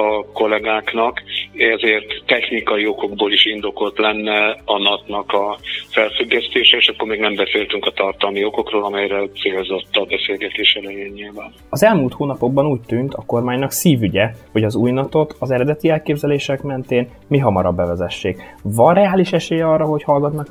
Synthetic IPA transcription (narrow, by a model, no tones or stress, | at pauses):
ɒko̞lɛɡaːknɒkɛzeːrt̪ːɛxnikɒjio̞ko̞ɡboːliʃind̪o̞ko̞lt̪lɛnːɛɒnɒt̪nɒkɒfɛlfyɡːɛst̪eːʃɛeːʃɒkːormeːɡnɛmbɛseːlt̪yŋkɒt̪ɒrt̪ɒlmio̞ko̞kroːlɒmɛjɾɛt̪seːlzo̞t̪ːɒbɛseːlɡɛt̪eːʃɛlɛjeːnɲilvaːnɒzɛlmuːlt̪hoːnɒpo̞ɡ̚bɒnuːc̚t̪ynt̪ɒko̞rmaːɲnɒksiːvyɟɛho̞ɟɒzuːjnɒt̪o̞t̪ɒzɛɾɛd̪ɛt̪iɛlkeːbzɛleːʃɛkmɛnt̪eːn | miɦɒmɒɾɒbːɛvɛzɛʃːeːkvɒnrɛaːliʃɛʃeːjɛɒrːɒɦo̞chɒlɡɒt̪nɒk